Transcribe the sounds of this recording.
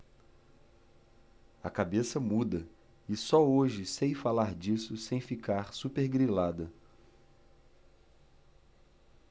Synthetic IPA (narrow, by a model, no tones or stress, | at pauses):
ɐkabesɐmud̪ɐ | ɪsɔoʒɪsejfalaɾd͡ʒisʊsẽj̃fikaɾsupeɾɡɾilad̪ɐ